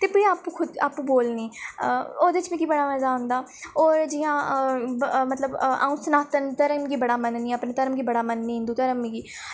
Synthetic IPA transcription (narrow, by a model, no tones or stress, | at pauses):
t̪eːpɪɽiaːpuːkʰʊd̪a̰ːpũːboːlniː | oːd̪eɪt͡ʃĩːkiːbəɽaːmɛːzaːɦʊ̃nd̪aː | oːɾd͡ʒijãː | mət̪ləba̰ːũːsənaːt̪ənt̪əɾəmɡiːbəɽaːmənniːəpnẽːt̪əɾəmɡiːbəɽaːmənnĩːnd̪uːt̪əɾəmːĩːɡiː